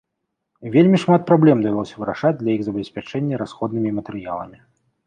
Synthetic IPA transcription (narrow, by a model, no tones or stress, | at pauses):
vʲelʲmʲiʂmat̪̚pɾablʲɛmd̪ɐvʲɛlˠɔsʲɐvɨɾaʂad͡zʲd̪lʲɐiɣzɐbʲɛsʲpʲat͡ʂɛnʲːɐɾasxɔd̪nɨmʲimɐt̪ɨɾɨja̰lˠɐ̰mʲi